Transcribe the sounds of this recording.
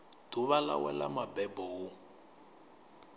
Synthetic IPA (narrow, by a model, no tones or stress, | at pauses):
d̥uβala̰wɛ̰la̰mabɛbɔʊ